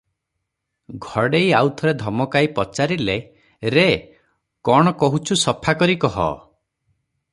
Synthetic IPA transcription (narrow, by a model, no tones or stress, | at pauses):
ɡʱɔɽejawt̪ʰɔɾed̪ʱɔmɔkaipɔt͡ʃaɾile | ɾe | kɔɽ̃ɔkɔɦut͡ʃʰusɔpʰakɔɾikɔɦɔ̰